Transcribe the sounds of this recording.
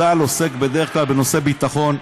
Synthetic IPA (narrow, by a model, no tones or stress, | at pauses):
alo̞se̞kbe̞d̪eʁeχklalbe̞no̞se̞bit̪aχo̞n